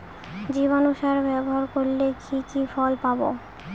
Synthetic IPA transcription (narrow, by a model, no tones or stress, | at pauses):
d͡ʑiβonuʃaɾbɛboɦaɾkoɾlekikifɔlpabo